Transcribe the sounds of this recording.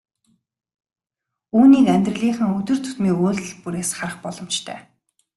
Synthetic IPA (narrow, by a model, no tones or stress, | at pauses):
uːniːkæmʲt̪rə̆ɮiːχə̆ŋɵt̪ɵ̆rt̪ʰɵ̥t̪miːkoːɮɘ̆ɮpuɾeːsχarə̆χpɔɮɞ̆mt͡ɕt̪ʰœ̰ː